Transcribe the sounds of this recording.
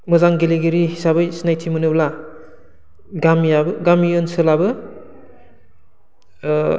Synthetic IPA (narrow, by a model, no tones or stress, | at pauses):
mɯzaŋɡeliɡeɾiɦisabɯjsinajtʰimɯnɯbla | ɡamijabɯɡamijonsɯlabɯ